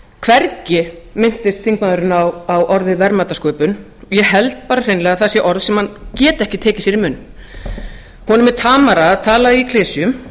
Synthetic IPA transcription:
kʰvɛɾcɪmɪnt̪ɪst̪θiŋk̚maðʏɾɪnawawʔɔɾðɪvɛɾmaːt̪askœːɥpʏn | ɔjɛɦɛlt̪̚paːɾar̥ejnlɛːɣaθasjɛʔɔɾðsɛmhancɛːt̪ɛhcɪt̪ʰɛːcɪsɛɾɪmʏːnː | hɔnʏmɛɾ̥t̪ʰaːmaɾaːðt̪ʰaːlaðikʰleːsijʏm

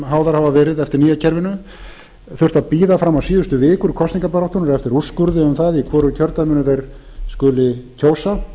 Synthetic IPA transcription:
ɦaːwðaɾhavavɛːɾɪðɛft̪ɪɾniːjacʰɛɾvɪnʏ | θʏr̥t̪apiːðafɾamːawsiːðʏst̪ʏvɪːkʏɾkʰɔst̪niŋkapɛɾawht̪ɔnʏɾɛft̪ɪɾuskʏɾðɪʏmθaðikʰɔːɾʏcʰœɾt̪amɪnʏθejɾ̥ | skʏːlɪcʰoːwsa

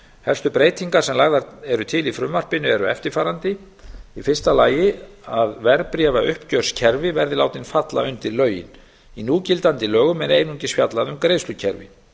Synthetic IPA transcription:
hɛlst̪ʏpɾeːjt̪ʰiŋkaɾ̥sɛmlaɣðaɾɛɾʏt̪ʰɪlifɾʏmːar̥pɪnʏɛɾʏɛ̰ft̪ɪɾ̥faːɾant̪ɪ | ifɪrst̪alaːjɪaðvɛɾpɾiɛvaʔʏhpcœr̥scʰɛɾvɪvɛɾðɪlaːwt̪ɪnfat̪la̰ʏnt̪ɪɾlœːɥjɪ̰n | inuːcɪlt̪ant̪ɪlœːɣʏmɛneːjnuɲcɪsfjat̪laðʏmkɾejðslʏcʰɛɾvɪ̰

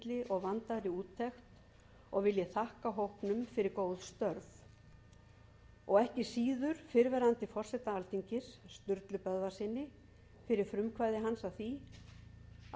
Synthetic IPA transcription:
lɪʔɔɣvant̪aɾiuːt̪ʰːɛxt̪ | ɔɣvɪljɛθahkaɦowhpnʏmfɪɾɪɾkoːwðst̪œɾθ | ɔɣɛhcɪsiːðʏɾ̥fɪɾvɛɾant̪ɪfɔr̥sɛt̪aalt̪iɲcɪsːt̪ʏɾt̪lʏpœððasɪnːɪ | fɪɾɪɾ̥fɾʏmkʰvaːjðɪɦansaθi

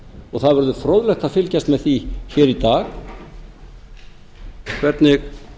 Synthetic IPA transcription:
ɔɣθaðvɛɾðʏfɾowðlɛxt̪aðfɪlcast̪mɛðθiçɛːɾit̪aːx | kʰvɛɾt̪nɪx

